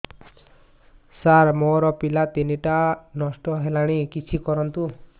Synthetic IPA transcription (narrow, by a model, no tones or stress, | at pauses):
saɾmɔɾɔpilat̪eniʈanɔsʈɔɦelaɽ̃ikit͡sʰikɔɾʌnt̪u